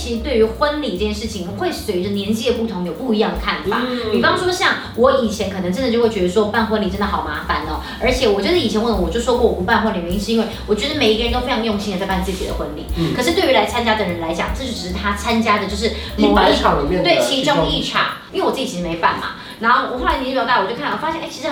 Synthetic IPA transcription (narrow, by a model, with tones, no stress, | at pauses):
t͡ɕʰi˧˥ʂɻ̩˧t̪we˥˩y˧˥xwə˦˥nli˨ʈ͡ʂɤ˥˧˩t͡ɕjɛ˥˧nʂɻ̩˥˩t͡ɕʰi˨˩ŋxwe˥˧ɪʂswe˧˥ɪʈ͡ʂə˧njɛ˧˥nt͡ɕi˥˩d̪ə˩pu˥˩t̪ʰʊ˧˥ŋjo˨˩ʊpu˥˩i˧˥jɑ˥˩ŋd̪ə˩kʰa˥˩nfa̰˨˩˦pi˨˩fɑ˥ŋʂwɔ˥ɕɑ˥˩ŋ | wɔ˧˥i˨˩nt͡ɕʰjɛ˧˥nkʰɤ˨˩ɤ˧˦ŋt͡ɕʈ͡ʂə˥nd̪ə˨˩jo˥˧ʊwe˥˩ɥɛ˧˥ə˧ʂwɔ˥˧pa˥˩nxwə˥nli˨˩ʈ͡ʂə˥nd̪ə˨˩ɑ˨˩ʊma˧˥fa˨˦nə˦ | ə˞˧˥t͡ɕʰjɛ˨˩wɔ˨˩t͡ɕɥo˧˥ʂ̩˥˨i˨˩t͡ɕʰɛ˧˥nwə˥˩lə˧wɔ˨˩t͡ɕjo˥˩ʂɔ˥kwɔ˥˩wɔ˨˩pu˧˥pa˥˧nxwə˥nli˨˩ɥɛ˧˥i˥˧ʂɻ̩˥˧i˥we˥˩ɪwɔ˨˩t͡ɕɥɛ˧˥d̪me˨˩ɪi˧˥ə˧ɻə˧nt̪o˥fe˥ɪɑ˧˥ŋjʊ˥˧ŋɕi˥ndə˨˩t͡spa˥˧nt͡sɹ̩˥˩t͡ɕi˨˩d̪ə̰˦xwə˦˥nlḭ˧˥˦kʰɤ˩ʂɻ̩˥˩t̪we˥˩ɪy˧˥la˧˥ɪt͡sʰa˥nt͡ɕja˥d̪ə˨˩ɻə˧˥nla˧˥ɪt͡ɕjɑ˨˩ŋʈ͡ʂɤ˥˩t͡ɕʰy˧˩˨t̪ʰa˥t͡sʰa˥nt͡ɕja˥d̪ə˨t͡ɕo˥˧ʂɻ̩˥˩˥ | a˨˥˩ɑ˨˩i˨˩mjɛ˥˨t̪we˥˩ɪt͡ɕʰi˧˥˧t͡ɕ̪i˥i˥˩ʈ͡ʂʰɑ̰˨˩˦ŋi˥we˥˩ɔ˨˩t͡s̩˥˩t͡ɕi˨t͡ɕʰi˧ʂ̩˧me˧˥ɪa̰˥˩nmɐ̰˩ | na˧˥nxo˥˩wɔ˨˩xo˥˩la˧˥n˧˥˩jt̪ːt͡ɕo˥˧kʰfa˥jɛ˥˧nʔt͡ɕʰi˧˥ʂ̩ɻ